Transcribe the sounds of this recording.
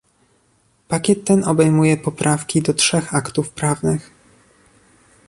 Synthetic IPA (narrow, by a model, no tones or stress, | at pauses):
pakʲɛt̪ːɛnɔbɛjmujɛpɔpɾʔafkʲid̪ɔtʂɛxakt̪ufpɾavnɘx